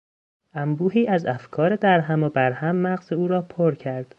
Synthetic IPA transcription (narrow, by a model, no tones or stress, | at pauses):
ʔæmbuːɦiːʔæzæfkʰɒːɾed̪æɾɦæmobæɾhæmːæɣzeuːɾɒːpʰoɾcʰæɾd̪̥